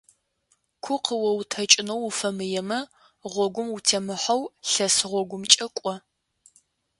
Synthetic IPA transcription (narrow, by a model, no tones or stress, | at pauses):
kʷʰʊqʰəwɔwtʰɐt͡ʃʼɪnɐwufɐmɨjɛmɐ | ʁʷɔɡʷʊmutʰemɨħɐwɬɐsɨʁʷɔɡʷʊmt͡ʃʼɐkʷʼɔ